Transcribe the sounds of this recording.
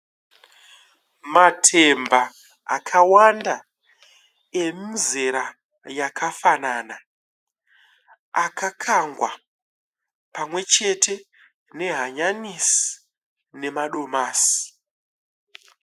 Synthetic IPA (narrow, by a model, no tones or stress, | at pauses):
matʰe̞mba | a̰kʰawanda | e̞minzeɾa | jakʰafanaːna | akʰakʰaŋɡwa̰ | pamwe̞t͡ʃe̞tʰe̞ | ne̞ɦaɲanisi̥ | ne̞maɗo̞maːsi̥